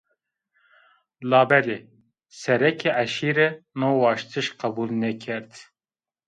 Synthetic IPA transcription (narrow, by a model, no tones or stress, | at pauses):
lɑːbɛle | sɛɾɛkʰeʔæʃiːɾɛnoːwɑːʃt̪ʰɨʃqɛbuːlnɛkʰɛɾd̪